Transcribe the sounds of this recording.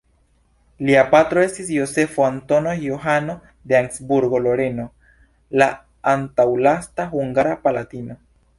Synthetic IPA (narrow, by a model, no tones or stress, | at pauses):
liapatɾo̞e̞stisjo̞se̞foanto̞no̞joɦano̞ | d̪eaŋksbuɾɡo̞lo̞ɾe̞no̞ | la | antawlastaɦuŋɡaɾapalatino̞